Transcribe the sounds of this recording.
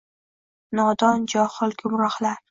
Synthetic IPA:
nɒd̪ɒnd͡ʒɒhɨlˠɡʰʊmɾɒχlaɾ

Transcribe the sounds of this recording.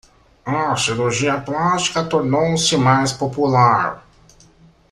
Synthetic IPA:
ɐsiɾuɾʒiɐplast͡ʃi̥kɐt̪oɾnowsɪmajspopulaɾ

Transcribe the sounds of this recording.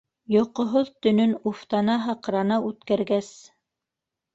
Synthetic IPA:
jŏqŏɦoðt̪ɵ̆nɵnuft̪ɑnɑɦɑqɾɑnɑʉt̪kæɾɡæs

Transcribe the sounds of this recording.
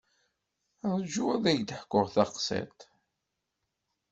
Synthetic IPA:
ðˤd͡ʒuæðæjd̪ħkːʊʁθɑqsæ̰t̪

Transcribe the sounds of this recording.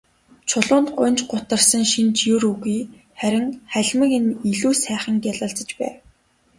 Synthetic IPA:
t͡ɕʰʊɮʊːnt̪ɢʊnt͡ɕɢʊt̪ə̆rsə̆ŋʃint͡ɕjuɾuɣiː | χæɾʲɪ̆ŋχæɮʲmə̆ŋeniɮuːsæːχə̆ŋkjaɮə̆ɬt͡sə̆t͡ɕpæ̰ː

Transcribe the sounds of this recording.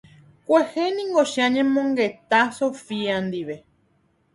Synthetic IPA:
kʷehenĩŋɡoʃãɲẽmõŋɡet̪asofiand̪iʋe̞

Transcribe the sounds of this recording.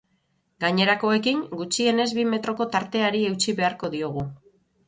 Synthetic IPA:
ɡaɲe̞ɾako̞e̞kiŋɡut͡ʃie̞ne̞zβime̞t̪ɾo̞ko̞t̪aɾt̪e̞aɾie̞wt͡ʃiβe̞aɾko̞ðio̞ɣ̞u

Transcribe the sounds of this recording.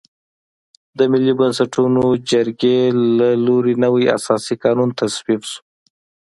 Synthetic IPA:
d̪əmɪlibansaʈunod͡ʒaɾɡelaloɾinəwaja̰sɑsikɑnunt̪asbiqʃu̥

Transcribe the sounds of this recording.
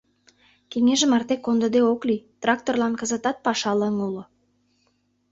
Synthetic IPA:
kʲeŋeʒəmɑrt̪ekːond̪ə̆d̪eoklʲijt̪rak̚t̪orlˠɑnkəzə̆t̪ɑt̪̚pɑʃɑlˠəŋulˠŏ

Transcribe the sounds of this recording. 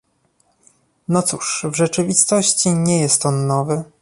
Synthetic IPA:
nɔt̪suʂvʐɛt͡ʂɘvʲist̪ɔɕt͡ɕiɲɛjɛst̪ɔnːɔvɘ

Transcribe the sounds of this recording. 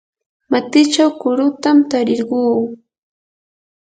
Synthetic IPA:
mat̪ɪt͡ʃawkʊɾʊt̪amt̪aɾɪɾɢuː

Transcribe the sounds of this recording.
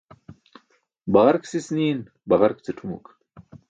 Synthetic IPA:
bɐʁɐɾksisniːn | bɐʁaɾk̚t͡seʈ͡ʂʰumṵk

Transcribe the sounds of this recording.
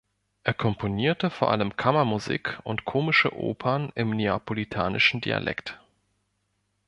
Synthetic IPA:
ʔeːɐkʰɔmpʰoniːɐtəfoːɐʔaləmkʰamɐmuzḭːkʊntkʰoːmɪʃə̰ʔo̰ːpʰɐnɪmneapolitʰa̰ːnʔɪʃn̩dḭa̰lʔɛ̰kt

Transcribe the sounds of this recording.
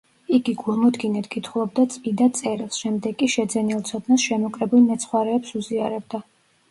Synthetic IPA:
iɡiɡulˠmɔd̪ɡinɛt̪ʰɡit̪ʰχulˠɔb̚d̪at̪sʼpid̪at̪sʼɛɾilˠsʃɛmd̪ɛɡkʼiʃɛd̪zɛnilˠt̪sʰɔd̪nasʃɛmɔkʼɾɛbulnɛt̪sʰχwaɾɛːpsuziaɾɛb̚d̪a

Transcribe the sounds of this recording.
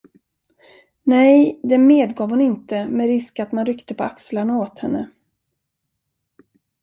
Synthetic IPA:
nɛjd̪ɛmeːd̪ɡɑːvhʊnɪnt̪əmɛɾɪskat̪manɾʏkt̪əpʰɔakslaɳaoːt̪hɛnːə

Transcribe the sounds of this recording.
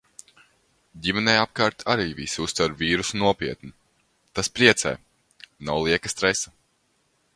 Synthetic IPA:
ɟʲimɛnɛjap̚kaɾt̪aɾiːvʲḭsiust̪vaɾviːɾusnuɔpʲiɛt̪ni | t̪aspɾiɛt̪sɛ̰j | nawlˠiɛkast̪ɾɛsɐ

